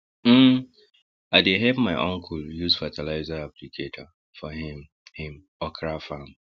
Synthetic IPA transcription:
m̩ | aɪdeɦɛvmaɪʔɔ̃ŋkʰuljuzfatʰɛlaɪzaaplikʰetʰə | fɔɦĩm | hĩm | ɔkʰɹafãm

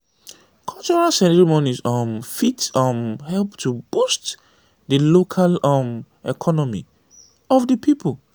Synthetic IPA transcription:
kʰɔlt͡ʃɔɹalsɛɾɛɹimɔnizɔmfitɔmhɛlptubust | dəlokʰalɔm | ɛkʰɔnɔmḭ | ɔfdəpʰipʊl

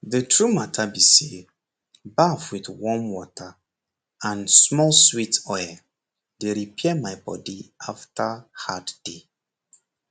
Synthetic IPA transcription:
ðətʰɹumatʰabise | bafwidwɔmwɔtʰa | ãnsmɔlswitɔja | deɹipʰɛɛmaɪbɔ̰diaftʰahadd̥e

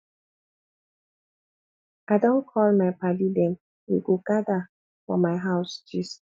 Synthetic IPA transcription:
aɪdõnkʰɔlmaɪpadidem | ḭɡokada | fɔ̰maɪɦaʊsd͡ʒis

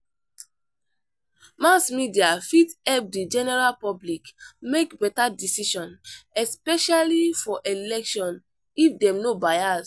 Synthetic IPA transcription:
mãsmidiafitɛp̚did͡ʒɛnɛɹalpɔblikmekbɛtadisiʃɔ̃nɛspɛʃalifɔʔelɛkʃɔ̃n | ifdɛ̃mnobajas

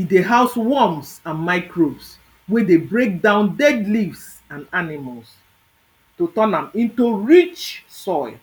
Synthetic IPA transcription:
ideɦaʊswɔmsãnmaɪkɹobs | wɛdebɹek̚dãʊ̃ndɛdlivs | ãnanɪmals | totɔnãmĩntuɹit͡ʃsɔɪl

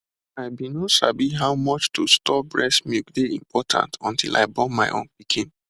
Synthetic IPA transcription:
aɪbinosabiɦaʊmɔt͡ʃtustʰɔbɹɛsmikdeḭ̃mpʰɔtʰã̰ntɔ̃ntʰḭlʔa̰ɪbɔ̃nmaɪʔõ̰npikʰĩn

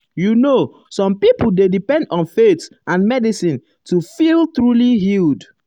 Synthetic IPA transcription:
juno | sɔ̃mpipuldedipɛ̃ndɔ̃nfetʔãnmɛdisĩn | tufilˠtɹuliɦild

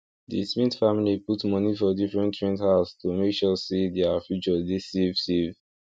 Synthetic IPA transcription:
dismĩtfamiliputmɔnifɔdifɹɛ̃ntɹɛ̃nthaʊstumekʃɔsidɛafjut͡ʃɔdesevsev

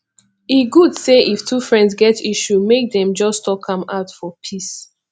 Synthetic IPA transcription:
iɡudseʔiftʰufɹɛ̃ndzɡɛtiʃumek̚dɛ̃md͡ʒɔstɔkʰʌ̃maʊtfɔpʰis

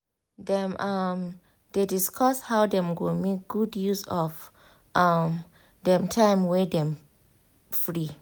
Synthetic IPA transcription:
dɛ̃mʔam | d̥ediskʰɔshawdɛ̃mɡomek̚ɡ̥udjusɔf | ʔam | dɛ̃mtʰãɪmwɛdɛ̃m | fɹi

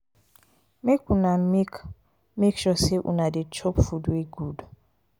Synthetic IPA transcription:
mekʰunamik | mekʃɔseʔṵnadet͡ʃʰɔpfudweɡud

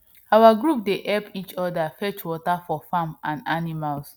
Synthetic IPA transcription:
awaɡɹup̚deʔɛlpit͡ʃɔdafɛt͡ʃwɔtafɔfãmãnanimals

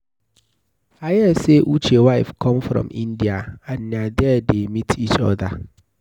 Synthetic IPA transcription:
ajɛseʔut͡ʃewaɪfkʰɔ̃mfɾɔ̰̃mʔɪ̰̃ndiaanːadɛdemitʰit͡ʃɔ̰ða

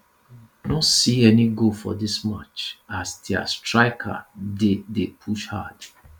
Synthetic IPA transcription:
nɔsiɛniɡofɔ̰disma̰t͡ʃasdia̰stɹaɪkʰa̰dedepʰuʃha̰d̥

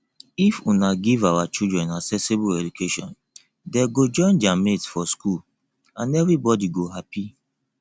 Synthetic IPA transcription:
ifunaɡivawat͡ʃildɹɛ̃naksɛsibulɛd͡ʒukʰeʃɔ̃n | dɛɡod͡ʒɔ̃ɪ̃nd͡ʒametsfɔskul | ãnɛvɹibɔdiɡoɦapi

